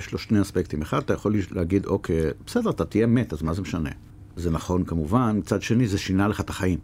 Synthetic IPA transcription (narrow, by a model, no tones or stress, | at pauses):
jeʃlo̞ʃneaspekt̪imeχad̪at̪ajaχo̞lilehaɡid̪o̞kʰejbesed̪eat̪at̪ijemet̪azmazemeʃane̞̰ | zenaχo̞nkamuvanmit͡sad̪ʃe̞nizeʃinaleχat̪aχajim